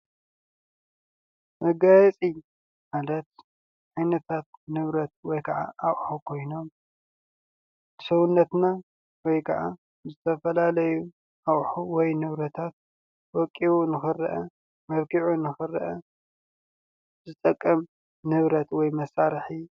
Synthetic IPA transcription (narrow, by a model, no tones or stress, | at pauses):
mɐɡajɛt͡sʼi | malɐt̪̚ | ʕajnɐt̪ʰat̪̚nɨβɾɐt̪̚wɔjkʰɐʕa̰ʔaʔħukʰo̞jno̞m | ɨsɐwunːɐt̪na | wɔjkʰɐʕa̰ | zɨt̪ʰɐfɐlalɐju | ʔaχʼħuwɔjnɨβɾɐt̪ʰat̪̚ | wɔkʼːiwunɨxɨrʔɐ | mɐβkiʕunɨxɨrʔɐ | zɨt̪ʼɐkʼːɐm | nɨβɾɐt̪wɔjmɐsaɾħi